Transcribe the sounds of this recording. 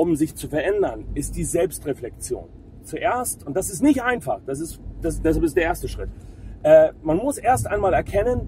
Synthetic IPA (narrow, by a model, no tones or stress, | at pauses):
ʊbm̩zɪçt͡sufɛɐʔɛndɐnʔɪst̚d̥iːzɛlpstʁeflɛk̚t͡sjo̰ːn | t͡suʔeːɐstʊntd̥as̬ɪstnɪçtʔaɪnfaχd̥as̬ɪstd̥asd̥ɛs̬alpɪstd̥eːɐeːɐstəʃʁ̥ɪtʔɛːmanmʊsʔeːɐstʔaɪnmaːlɛɐkʰɛnən